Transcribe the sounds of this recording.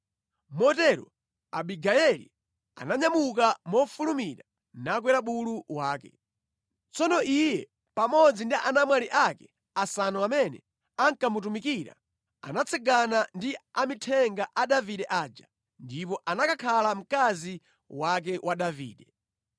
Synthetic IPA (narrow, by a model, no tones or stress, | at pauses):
mɔtɛɾɔ̰ | a̰ɓiɡaɛlḭ | a̰naɲamuk̬amɔfulumiɾa | nak̬wɛɾaɓuluwaːkɛ̰ | t͡sʰɔnɔʔijɛ | pamɔd͡zindiʔanamwaliʔakɛ | asanɔamɛnɛ̰ | aŋkamutumikiɾa̰ | a̰nat͡sʰɛɡanandiamitʰɛŋɡaʔaɗaviɗɛʔaːd͡ʒa | ndipɔʔanakakʰalam̩kazi | wak̬ɛwʔaɗavḭːɗɛ